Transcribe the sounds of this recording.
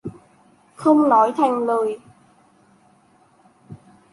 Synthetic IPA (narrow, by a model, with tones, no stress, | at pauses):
xə˧wŋ͡mnɔ˨˦jt̪ʰɛ˨˩ŋlɤː˨˩j